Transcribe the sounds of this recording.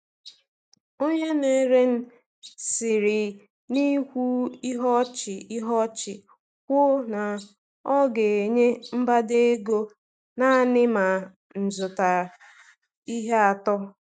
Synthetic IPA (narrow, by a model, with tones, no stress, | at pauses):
o˦ɲe˦ne˨˦ɾe˦n̩˦ | sɪ˨ɾi˨ | ni˦kʷu˦i˦ɦɔ˦t͡ʃɪ˨i˦ɦɔ˦t͡ʃɪ˨ | kʷʊ˦na˨ | ɔ˦ɡe˨e˨ɲe˦m̩˦ba˦de˦e˦ɡo˦ | na˦˨nɪ˦ma˨ | n̩˨zʊ˨ta˨ | i˦ɦe˦a˨tɔ˦